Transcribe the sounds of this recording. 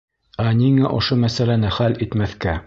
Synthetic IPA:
æniŋæʔŏʃomæsælænɘχælit̪mæθkæ

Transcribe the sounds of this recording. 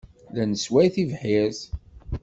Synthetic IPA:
lænəswæjθivħɪz

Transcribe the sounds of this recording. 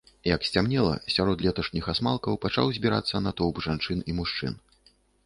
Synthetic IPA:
jɐksʲt͡sʲamnʲɛlˠɐ̰sʲaɾɔt̪lʲɛt̪ɐʂnʲixasmalˠkɐwpat͡ʂa̰wzʲbʲiɾa̰t̪sːɐnat̪ɔwpʐant͡ʂɨnimuʂt͡ʂɨ̰n

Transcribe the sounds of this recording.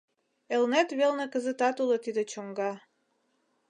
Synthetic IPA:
elnet̪βelnekəzə̆t̪ɑt̪ulət̪id̪et͡ɕoŋɡɑ

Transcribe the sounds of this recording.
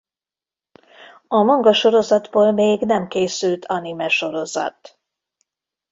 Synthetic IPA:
ɒmɒŋɡɒʃo̞ɾo̞zɒd̪boːlmeːɡnɛmkeːsylt̪ʰɒnimɛʃo̞ɾo̞zɒ̰t̪

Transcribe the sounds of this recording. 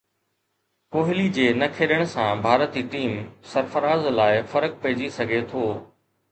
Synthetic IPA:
koːɦɪlid͡ʑeːnɐkʰeːɗəɽ̃̆sãbʱaːɾət̪iʈiːmsɐɾfəɾaːzlaːɪfɐɾək̚pɐɦɪd͡ʑisɐɡʱet̪ʰoː

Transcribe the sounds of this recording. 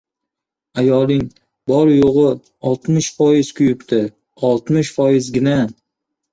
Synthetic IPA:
ajɒlˠɪŋ | bɒɾjoʁɨ | ɒlˠt̪mɪʃfɒjɪz̥kʰʊjʊpt̪ʰɪ | ɒlˠt̪mɪʃfɒjɪzɡʲɪna

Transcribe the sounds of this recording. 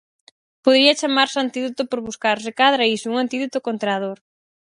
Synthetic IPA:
poðɾiɐt͡ʃamaɾsant̪iðot̪opoɾβuskaɾs̬ɪkaðɾaisʊuŋant̪iðot̪okont̪ɾað̞oɾ

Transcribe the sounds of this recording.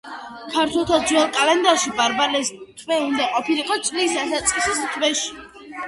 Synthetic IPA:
kʰaɾt̪ʰwɛlˠt̪ʰad̪zwɛlˠkʼalɛnd̪aɾʃibaɾbalɛst̪ʰvɛund̪aqʼɔpʰiliqʼɔt̪sʼlisasat̪sʼqʼisist̪ʰvɛʃi̥

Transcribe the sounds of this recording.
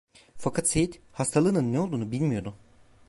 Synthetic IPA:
fakʰat̪sejit̪hast̪ʰalˠɯːnɯnːɛo̞lˠd̪uːnubilʲmijo̞ɾd̪ʊ

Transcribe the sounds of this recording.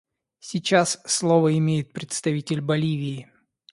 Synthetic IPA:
sʲit͡ɕasːlˠovəɪmʲejɪt̪̚pɾʲɪt̪st̪ɐvʲitʲɪlʲbɐlʲivʲɪː

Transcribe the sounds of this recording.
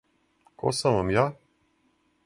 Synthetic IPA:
kʰo̰samʋamjaː

